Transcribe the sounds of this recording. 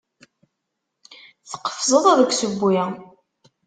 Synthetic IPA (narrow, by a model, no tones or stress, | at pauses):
θə̥qːə̥fzˤəðˤæðəɡʷsəbːi